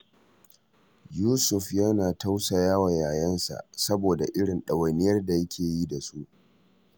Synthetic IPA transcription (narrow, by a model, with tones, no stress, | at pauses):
juː˦sʊ˨ɸja˦naː˨ta˦wsa˨jaː˦wa˨jaː˨jɐ˦nsa̰˨ʔsɐ˦boː˨da˨ʔɪ˦ɽɪ˨nɗɐ˨wɐ˨nɪ˦jɐ˦rda˨jɐ˦kʲʰeː˨ji˦da˨su˦ʔ